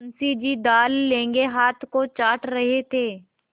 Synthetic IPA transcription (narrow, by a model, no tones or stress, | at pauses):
nsid͡ʒid̪aːlːẽːŋɡeɦaːt̪ʰkot͡ʃaːʈɾɐɦet̪ʰeː